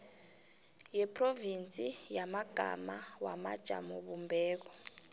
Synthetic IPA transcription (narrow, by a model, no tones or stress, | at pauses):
jɛpʰʼrovint͡sʼijamaɡ̥ʱa̰mawamad̥ʒ̥ʱa̰mɔɓumbʱɛːk̬ɔ